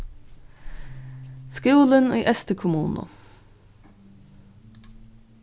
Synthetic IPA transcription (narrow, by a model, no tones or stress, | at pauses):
skʉːlənḭːʔɛst̪əkʰʊmuːnʊ̰